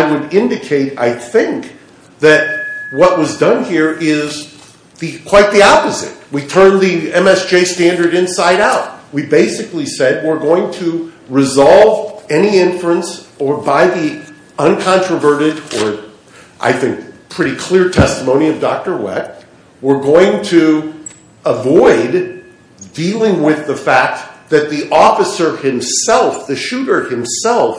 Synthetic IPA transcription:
ɪwɨɾɪ̃ndɨkʰeɪɾa̰ɪθɪ̃ŋk | ðɨt̚wʌʔ̚wʌzdʌ̃nhiɹɪz | ðɨkʰw̥aɪt̪̚ðiɑpɨzɨ̰t̚witʰɜ̃˞nðiɛ̃mɛsd̥ʒ̥eɪstæ̃ndə˞ɾɨ̃nsaɪɾaʊt̚wibeɪsɨklisɛd̚wɪɹɡoʊɪ̃ŋtʰɨ | ɹɨzɑlˠvɛniɪ̃ɱfɹ̩ɨ̃nsə˞baɪði | ʌ̃nkʰɑ̃nt͡ʃɹ̥əvɜ˞ɾɨɾə˞ | ʔa̰ɪθɪ̃ŋk̚pʰɹ̥ɪɾikʰl̥ɪɹtʰɛstəmõʊ̃ñiʌvdɑk̚tə˞wɛ̰t̚ | wɪɹɡoʊɪ̃ŋtʰɨ | əvɔɪd | dilˠɪ̃ŋwɪðəfæk̚t̪̚ðɨt̪̚ðiʔɔfɨsə˞hɨ̃msɛlˠfðɨʃʉɾə˞ɨ̃msɛlˠf

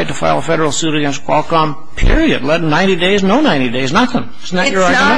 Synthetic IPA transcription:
ɪtʰɨfa̰ɪlˠəfɛɾə˞l̩ˠsʉɾɨɡɛ̃nst̚w̥ɔlˠkɑ̃m | pʰɪ̰ɹiɨ̰dˡlɛt̚ⁿnãɪ̃ñɾ̃ideɪznoʊnãɪ̃ɾ̃ideɪznət̪̚ðə̃m | zn̩ət͡ʃə˞ɑ̃m

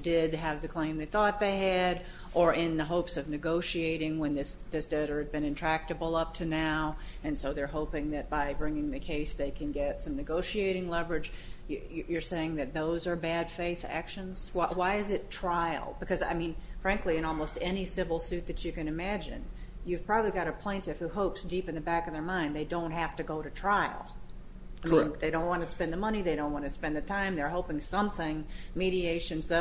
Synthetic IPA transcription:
d̥ɪdɨvðɨkʰl̥ẽɪ̃mðeɪθɔt̪̚ðeɪɨɾ | ʔə˞ʔɪ̃nðəɦoʊpsʌvnɨɡoʊʃieɪɾɪ̃ŋwə̃nðɪsðɪsd̥ɛɾə˞ɨz̚bɨ̃ñɨ̃ntʰɹ̥æk̚tɨbl̩ˠʌp̚tʰɨnaʊɨ̃nsoʊðə˞ɦoʊpɪ̃ŋðɨt̚b̥aɪbɹɪ̃ŋɪ̃ŋðɨkʰeɪsðeɪkʰɨ̃nɡɛtsʌ̃mnɨɡoʊʃieɪɾɪ̃ŋlʌvə˞ɨd͡ʒjɨjjə˞seɪɪ̃ŋðɨt̪̚ðoʊzə˞bæd̥feɪθæ̰kʃɨ̃nz̥wawaɪɨzɨtʰɹ̥aɪl̩ˠbɨkʰʌza̰ɪmĩnfɹæ̃ŋkliɨ̃nɔlˠmoʊstɛnisɪvl̩ˠsʉt̪̚ðɨt͡ʃɨkɨ̃nɨmæd͡ʒɨ̰̃njʉv̥pʰɹ̥ɑbəbliɡɑɾɨpʰl̥ẽɪ̃ntɨfhuɦoʊpsd̥ipɨ̃nðɨbækʌvðə˞mãɪ̃nd̪ðeɪdõʊ̃nt̚hæftɨɡoʊɾɨtʰɹ̥aɪl̩ˠ | aɪmĩnðeɪɾõʊ̃nʔ̚wɑ̃nəspɛ̃nðəmʌñiðeɪɾõʊ̃nʔwɑ̃nɨspɛ̃nðɨtʰãɪ̃mðə˞ɦoʊpɪ̃ŋsʌ̃mθɪ̃ŋmiɾieɪʃɨ̃nsʌ

